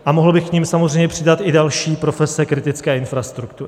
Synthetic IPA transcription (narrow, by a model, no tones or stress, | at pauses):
ʔamo̞ɦl̩bɪxkɲimsamozrɛjɲɛpr̝̥ɪdat̪ʔɪdalʃiːpɾo̞fɛsɛkɾɪt̪ɪt͡skɛːʔɪnfɾast̪ɾukt̪uɾɪ